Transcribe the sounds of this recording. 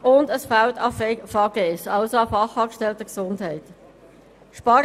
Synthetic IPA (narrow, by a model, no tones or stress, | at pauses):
ʊndəsfaʊtɑffɑɡeɛsɑlsoɑfɑχɑːkʃtɛltəksʊndhɛɪt | ʃpɑːɾ